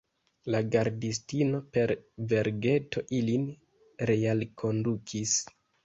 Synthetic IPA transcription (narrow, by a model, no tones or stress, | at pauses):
laɡaɾdis̬tino̞pe̞ɾve̞ɾɡe̞to̞ʔilin | ɾealkʰo̞ndukʰis